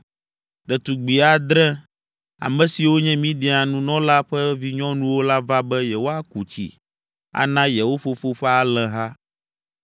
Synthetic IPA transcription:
ɖɛ˨t̪u˨ɡ͡bi˨a˨d̪ɾɛ̃˦ | a̰˨mɛ̃˦si˨wo˦ɲɛ̃˦mĩ˦ɖɛ˨a˨nũ˦nɔ̃˦la˦ɸɛ˦vi˦ɲɔ̃˦nũ˦wo˦la˦va˦bɛ˦jɛ˨wo˦a˦ku˨t͡ɕḭ˨ | a̰˦nã˦jɛ˨wo˦fo˦fo˦ɸɛ˦a˨lɛ̃˨ɦa˦

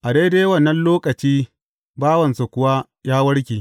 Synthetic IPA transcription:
ʔa˨de˦da˦jwɐ˦˨nːɐ˦nloː˦kʼɐ˨t͡ʃiː˦ | baː˦wɐ˨nsa˨kʷʊ˦wa˦ | jaː˦wɐ˦ɽkʲiː˨

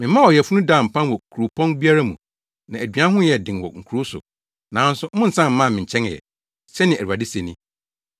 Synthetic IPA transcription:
mɪ̃˨˦mã˦ɔ˨jɛ˨fu˦nũ˦da˨m̩˨pʰã˦nwɔ˨kʰu˨ɾu˨pʰɔ̃˦nbi˦a˦ɾa˦mũ˨ | nã˨æ˨dɥa˦ɦʊ̃˦jɛ˨dɪ̃˨nwɔ̰˨ŋ̩˨kʰu˨ɾʊ˦sʊ̰˨ | nã˨˦n˦sʊ˦mʊ̃˦n̩˨sã˦m̩˦mã˦˨mɪ̃˨ɲ̩˨t͡ɕʰɛ̃˦ŋ˨ɛ̰˨ | sɛ˦nɪ̃˨æ˨u˨a˨dɪ˦se˨nĩ˦

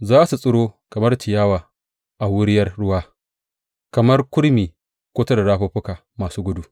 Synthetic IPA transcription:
zaː˦su˨sʼʊ˦ɽoː˦kɐ˨mɐ˦rtʰɪ˨jaː˦waː˨ | ʔa˨wʊ˦ɽɪ˦jɐ˦rɽʊ˦waː˦ | kɐ˨mɐ˦rkʷʊ˦ɽmiː˨ | kʷoː˦ta˦da˨ɽaː˦ɸoː˦ɸʊ˦kaː˨ | maː˨suː˦ɡʷʊ˦du˦

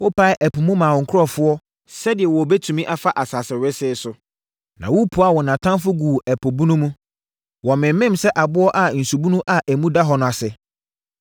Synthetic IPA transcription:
wʊ˦pʰa˦ɪ˦ʔæ˨pʰʊ˨mũ˦mãː˨wɔ˨ŋ̩˨kʰʊ˦ɾɔ˦fʊ˦ɔ˦ | sɛ˦dɪ˨ɛ˨wɔ˨be˦tʰũ˨mĩ˦ʔa˦fa˦ʔa˨saː˨sɪ˨ɾɪ˦sɪː˦sʊ˨ | nã˨wu˦pʰu˨a˦˨wɔ˨nã˨tʰã˦nfʊ˦ɡu˨æ˨pʰo˨bu˦nũ˦mũ˦ | wɔ˨mɪ̃˨m˦mɪ̃˦msɛ˦ʔa˨bʊ˦ɔ˦ʔa˨n̩˨su˨bu˦nũ˦ʔa˨ʔæ˨mũ˦da˦ɦɔ˨nʊ̃˨a˨sɪ˨

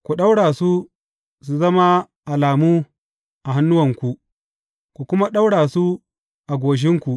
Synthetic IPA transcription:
kʷu˨ɗa˦wɽaː˨su˦ | su˨zɐ˦ma˦ | ʔa˨laː˨muː˦ | ʔa˨ɦa˦nːʊ˦wɐ˨ŋkʷu˨ | kʷu˨kʷʊ˦ma˦ɗa˦wɽaː˨su˦ | ʔa˨ɡʷoː˨ʃ̬ɪ˦ŋkʷu˨ʔ

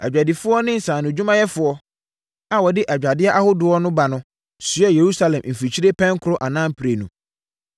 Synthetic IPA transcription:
æ̰˨d͡ʑᶣa˨di˨fʊ˦ɔ˦nɪ̃˦n̩˨sãː˨nʊ̃˨d͡ʑᶣu˦mã˦jɛ˦fʊ˨ɔ˦ | a˨wɔ˨dɪ˦ʔæ˨d͡ʑᶣa˨dɪ˦a˦ʔa˦hʊ˦dʊ˨ɔ˦nʊ̃˦ba˨nʊ̃˦ | sʊ˨ɛ˦je˨ɾu˦sa˦lɛ̃˨mm̩˨fi˨t͡ɕʰi˦ɾe˦pʰɛ̃˦ŋ˦kʰʊ˦ɾʊ˦ʔa˨nãː˦m̩˦pʰi˨ɾe˨nũ˨

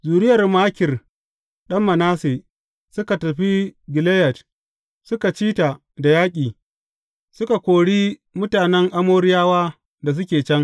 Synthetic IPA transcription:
zuː˨ɽɪ˦jɐ˨rmaː˦kʲɪ˨r | ɗɐ˦mːɐ˨naː˦seː˨ | sʊ˦ka˨tɐ˨ɸi˦ɡɪ˨le˦jɐ˨t | sʊ˦ka˨t͡ʃiː˦ta˨ | da˨jaː˦kʲʼiː˨ | sʊ˦ka˨kʷoː˨ɽiː˦mʊ˦taː˨nɛ˦ŋʔa˦moː˦ɽɪ˦jaː˦waː˦ | da˨s̬ʊ˦kʲeː˨t͡ʃɛ˦ŋ

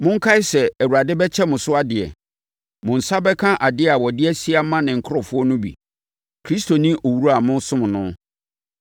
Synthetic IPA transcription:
mʊ̃˦ŋ̩˦kʰa˦ɪ˦sɛ˨æ˨wu˨ɾa˨dɪ˦bɛ˦t͡ɕʰɛ˦mʊ̃˨sʊ˦a˦dɪ˨ɛ̰˨ | mʊ̃˨n̩˨sa˦bɛ˦kʰã˦ʔa˨dɪ˦a˨wɔ˨dɪ˦ɛ˦si˦a˦mã˦nɪ̃˨ŋ̩˨kʰʊ˦ɾɔ˨fʊ˦ɔ˦nʊ̃˦bḭ˨ | kʰɾi˦sto˨nĩ˦ʔo˨wu˦u˦a˨mʊ̃˦sʊ̃˦m̃˨nʊ̃˦

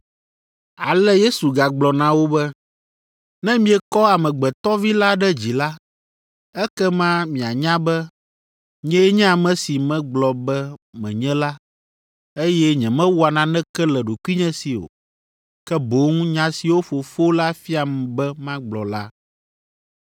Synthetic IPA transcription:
a̰˨lɛ˦je˦su˨ɡa˨ɡ͡blɔ˨nã˨wo˦bɛ˦ | nɛ̃˦mĩ˦ɛ˨kɔ˦a˨mɛ̃˨ɡ͡bɛ˨t̪ɔ˦vi˦la˦ɖɛ˦d͡ʑi˨la˦ | ɛ˦kɛ˦mã˦mĩ˨a˨ɲã˦bɛ˦ | ɲɛ̃˦ɛ˦ɲɛ̃˦a˨mɛ̃˦si˨mɛ̃˦ɡ͡blɔ˨bɛ˦mɛ̰̃˨ɲɛ̃˦la˦ | e˦jɛ˦ɲɛ̃˨mɛ̃˦wu˦a˨nã˨nɛ̃˦kɛ˦lɛ˨ɖo˨kʷi˦ɲɛ̃˦si˨o̰˨ | kɛ˦bo˦ŋũ˦ɲã˦si˨wo˦fo˨fo˦la˦fi˦a˨mɛ̃˨bɛ˦mã˦ɡ͡blɔ̰˨la˦

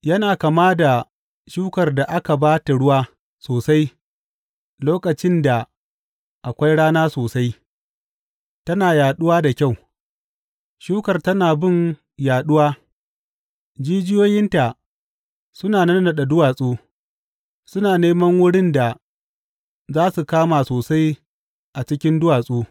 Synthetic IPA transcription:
jɐ˦naː˨ka˨maː˦da˨ | ʃuː˦kɐ˨rda˨ʔa˦ka˨baː˦ta˨ɽʊ˦waː˦ | soː˨sa˦j | loː˦kɐ˨t͡ʃɪ˦nda˨ | ʔa˨kʷa˦jɽaː˦naː˦soː˨sa˦j | tɐ˦naː˨jaː˨ɗʊ˦waː˦da˨kʲa˦˨w | ʃuː˦kɐ˨rtɐ˦naː˨bɪ˦˨n | jaː˨ɗʊ˦waː˦ | d͡ʒiː˦d͡ʒɪ˦joː˦jɪ˦nta˨ | sʊ˦naː˨nɐ˦n˦na˨ɗɐ˨dʊ˦waː˨sʼuː˦ | sʊ˦naː˨neː˦mɐ˦ŋwʊ˦ɽɪ˦nda˨ | zaː˦su˨kaː˦maː˨soː˨sa˦j | ʔa˨t͡ʃɪ˦kʲɪ˦ndʊ˦waː˨sʼuː˦

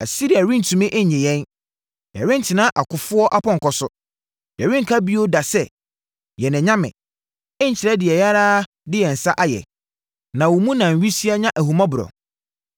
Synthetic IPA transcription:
a˨si˦ɾi˨a˨ɾĩ˦n̩˨tʰũ˨mɪ̃˦ʔɛ˦ɲɪ̃˨jɛ̃˦n | jɛ̰˨ɾɪ̃˦n̩˨tʰɪ˨nã˦ʔa˨kʰʊ˨fʊ˦ɔ˦ʔa˦pʰɔ̃˦ŋ˨kɔ˨sʊ˦ | jɛ˨ɾɪ̃˦ŋ̩˨kʰa˦bi˦o˦da˨sɛ˦ | jɛ˨nɪ̃˨ɲã˦mɪ̰̃˨ | ɪ˦ɲ̩˨t͡ɕʰɪ˨ɾɛ˦dɪ˨ɛ˨ja˦ɾaː˦ | dɪ˦jɛ˨n̩˨sa˦ʔa˦jɛ̰˨ | nã˨wɔ˨mũ˦nã˨n̩˨ɥi˦si˦a˦ɲã˦ʔæ˨hu˨mã˦bʊ˨ɾɔ̰˨

